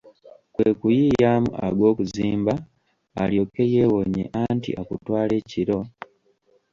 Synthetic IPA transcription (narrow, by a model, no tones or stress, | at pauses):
kweːkujiːjaːmṵʔa̰ɡo̞ːkuziːmbaː | ljo̞kːe̞jewoɲḛʔaːntḭʔakutwaːle̞ːciɾo̞